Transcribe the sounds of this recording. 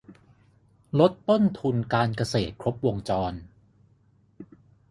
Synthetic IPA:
lo˦˥t̪ːo˥˩nt̪ʰu˧nkaː˧nka˧seː˨˩t̪̚kʰɾo˦˥p̚wo˧ŋt͡ɕɔː˧n

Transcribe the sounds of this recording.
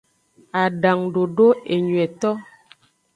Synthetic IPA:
a˨ɖa˨ŋɖo˨ɖo˦e˨ɲwɛ˨t̪ɔ˦

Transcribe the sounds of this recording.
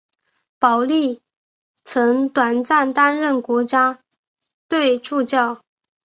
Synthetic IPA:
pɑ˨˩ʊli˥˩ | t͡sʰɤ˧˥ŋt̪wa˨˩nt͡sa˥˩nt̪a˥nɻə˥˩nkwɔ˧˥t͡ɕja˥ | t̪we˥˧ɪʈ͡ʂu˥˧t͡ɕjɑ˥˩ʊ

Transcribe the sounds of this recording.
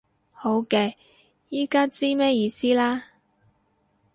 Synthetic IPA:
ho˨˥wkɛː˧ | jiː˥kaː˥t͡siː˥mɛː˥jiː˧siː˥laː˥

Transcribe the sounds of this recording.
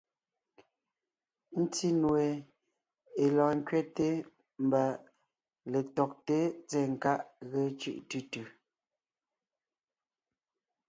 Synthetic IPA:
n̩˦ti˦nwe˨ | e˨lɔ̃ː˨ŋ˦kɥɛ˦te˦ | m̩˦ba˨ | le˨tɔ˨k̚te˦t͡sɛ˦˨ŋ̩˨ka˦ʔɣe˦t͡ʃʉ̰˦ʔtʉ˦tʉ˨

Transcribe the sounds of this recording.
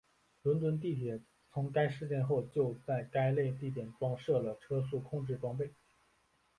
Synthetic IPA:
lwə˧˥nt̪̬wə˧˥nt̪̬i˥˩t̪ʰjɛ˨˩˦ | t͡sʰʊ˧˥ŋka˥ɪʂɻ̩˥˧t͡ɕjɛ˥˧nxo˥˧ʊt͡ɕjo˥˧ʊt͡sa˥˩ɪka˥ɪle˥˧ɪt̪̬i˥˩t̪jɛ˨˩nʈ͡ʂwɑ˥ŋʂɤ˥˩lə˩ʈ͡ʂʰɤ˥s̬u˥˩kʰʊ˥˧ŋʈ͡ʂɻ̩˥˩ʈ͡ʂwɑ˥ŋp̬e˥˩ɪ

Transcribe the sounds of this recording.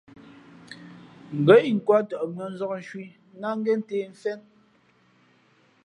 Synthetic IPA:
ŋ̩˨ɡə˨˦ʔi˨ŋ̩˨kwa˦tɔ˨ʔmə˨˦n̩˦zɔ˦k̚n̩˨˦ʃwi˦ | na˦ŋ˦ɡɛ˦n̩˦teː˨ɱ̩˨fɛ˦n

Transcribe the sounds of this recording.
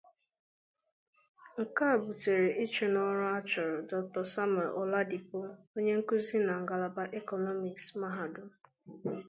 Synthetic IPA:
ŋ̩˨ka˦˨bu˨te˨ɾe˨ʔi˦t͡ʃe˨nɔ˦ɾa˦t͡ʃɔ˨ɾdɔ˨k̚tɔ˨sa˦m˨ɛ˨lʔɔ˨la˦di˨po˦ | o˦ɲe˦ŋ̩˦ku˦zi˦na˨ŋ̩˨ɡa˨la˨ba˦ʔe˦kɔ˨nɔ˦mi˨ksma˦ɦa˨dʊ˦

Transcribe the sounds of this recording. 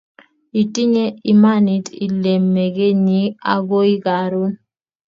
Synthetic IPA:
i˨ti˦ɲe˦i˨ma˦ni˨tḭ˨le˨mːe˨ɡe˦ɲi˦a̰˨ɡo˦i˦ɡa˨ɾʊ˦n

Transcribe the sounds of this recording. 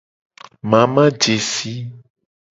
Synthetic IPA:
mã˨mã˦d͡ʒe˨si˦

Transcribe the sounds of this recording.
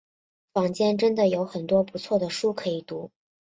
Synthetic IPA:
fɑ˨˩ŋt͡ɕjɛ˥nʈ͡ʂə˥nd̪ə˨jo˧˥ʊxə˨˩nt̪wɔ˥pu˧˥t͡sʰwɔ˥˩d̪ə˩ʂu˥˩kʰɤ˧˥i˨˩t̪u˧˥

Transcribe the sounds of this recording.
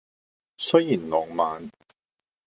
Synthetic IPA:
sɵ˥jjiː˨˩nlɔː˨˧ŋmaː˨˧n

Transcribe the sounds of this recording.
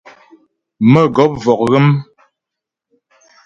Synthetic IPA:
mə˦˨ɡɔ˨˦p̚vɔ˨k̚ɣə˦m

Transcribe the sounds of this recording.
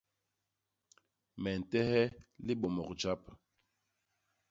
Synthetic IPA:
mɛ˨n̩˨tɛ˦hɛ˦li˦ɓɔ˨mɔ˨k̚d͡ʒa˦p̚

